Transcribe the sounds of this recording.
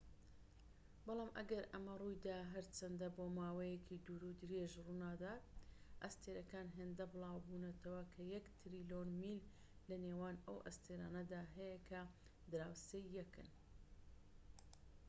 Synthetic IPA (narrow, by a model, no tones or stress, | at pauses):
bɑlˠɑːmʔɐɡɐɾɐmɐrujd̪aːɦɐɾt͡ʃʰɐnd̪ɐbomaːwɐjekʰid̪uɾud̪ɨɾeʒrunaːd̪aːt̪̚ʔɐst̪ʰeɾɐkaːnɦend̪ɐbɨlˠaːwbunɐt̪ʰɐwɐkʰɐjɐkt̪ʰɾiːlonmilː | ɐneːwaːnɐwʔɐ̰st̪ʰeɾaːnɐd̪aːɦɐjɐkʰɐ | d̪ɨɾaːwseːjːɐkɨ̰n